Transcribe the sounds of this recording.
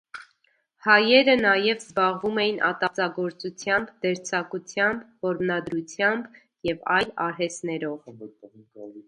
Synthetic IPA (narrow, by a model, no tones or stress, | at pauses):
hɑjɛɾənɑjɛvzbɑʁvumɛjinʔɑ̰t̪ɑt͡sɑɡɔɾt͡sut͡sʰjɑmbd̪ɛɾt͡sʰɑkut͡sʰjɑmbvɔɾmnɑd̪ɾut͡sʰjɑmb | jɛvɑjlɑɾɦɛst̪nɛɾɔv